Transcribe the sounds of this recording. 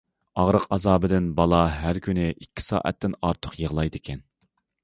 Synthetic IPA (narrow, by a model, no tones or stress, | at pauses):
ɑʁɾəqɑzɑːbɪd̪ɪnbɑlˠɑɦæɾkʲynɪʔikʲʰːɪ̥sɑ̰ːʔɛ̰t̪ːɪnɑɾt̪ʰʊ̥qjəʁlˠɑjd̪ɪkʲʰɛn